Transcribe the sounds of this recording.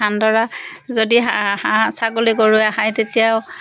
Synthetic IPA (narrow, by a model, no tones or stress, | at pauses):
andɔɹazodiahãsaɡoliɡoɹuɛaɦajtetijaʊ